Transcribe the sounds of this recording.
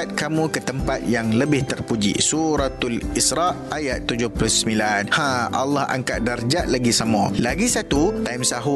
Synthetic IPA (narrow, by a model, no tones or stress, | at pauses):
at̪̚kamũkət̪əmpat̪̚jaŋləbɪht̪ərpud͡ʒḭsuɾat̪alisɾɑʔajat̪ːud͡ʒʊhplusəmilanhãʔa̰lːɑha̰ŋkaʔ̪̚dard͡ʒaʔlaɡisamɔ̃laɡisat̪ut̪aimsaɦu